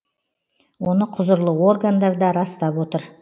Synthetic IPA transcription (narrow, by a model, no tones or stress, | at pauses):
wo̞nəqʰʊzəɾlˠəo̞rɡand̪ɑɾd̪ɑɾɑst̪ɑpwo̞t̪əɾ